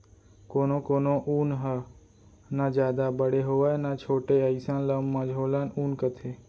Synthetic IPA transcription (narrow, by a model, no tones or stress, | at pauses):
koːnõkoːnõʔuːnɦə | nad͡ʒjaːd̪abəɽeɦoːʋaːnat͡ʃʰoːʈeəisãːnlammːãd͡ʒʱɦoːlaːnuːnkət̪ʰeː